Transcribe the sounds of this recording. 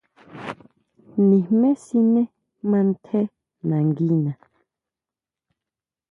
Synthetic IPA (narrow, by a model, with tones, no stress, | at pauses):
nĩ˨mɛ˦si˦nɛ˦ | mã˦n̩˦tʰɛ˦ | nã˨ŋ˨ɡi˦nã˨